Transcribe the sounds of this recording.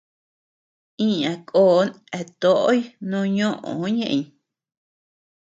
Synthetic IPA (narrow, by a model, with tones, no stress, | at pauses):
ĩ˦ã˨kʼoː˦˨˦n | e˧˨t̪o˦ʔo˦jnũ˦ɲõ˦ʔõ̰˨˦ɲẽ˦˧ʔĩ˨ɲ